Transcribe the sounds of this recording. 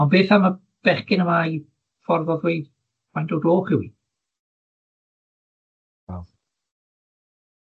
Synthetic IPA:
ɔnbeːθama | b̥ɛχkɪnəmai | fɔrvɔðwejd | wajndodoːχɪwi | að

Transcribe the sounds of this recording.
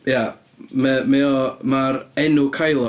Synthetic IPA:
ja | mɛmɛɔmaɾɛnʊkʰajlˠɔ

